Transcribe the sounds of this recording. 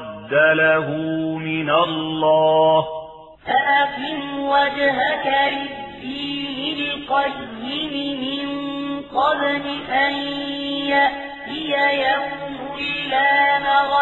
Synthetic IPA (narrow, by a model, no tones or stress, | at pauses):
d̪ːalaɦʊmɪnalːɑː | faʔaqɪmwad͡ʒɦakalɪdd̪ːiːnɪlqɑjːɪmɪmɪnqɑðnɪʔanjaʔ | t̪ɪjajawmʊlːaːnaɣ